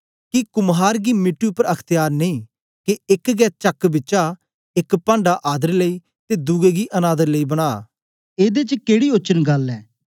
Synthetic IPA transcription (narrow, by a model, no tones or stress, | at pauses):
kɪkʊmɦaːɾɡiːmɪʈːiupəɾɐkʰt̪ɪjaːɾneĩː | keɪkɡɛːt͡ʃəkbɪt͡ʃaː | ɪkpãːɳɖaːʔaːd̪əɾləiː | t̪eːd̪ʊɡeːɡiːʔənaːd̪əɾləiːbəɽ̃a̰ː | eːd̪eːt͡ʃəkeːɽiːot͡ʃənɡɐlɛː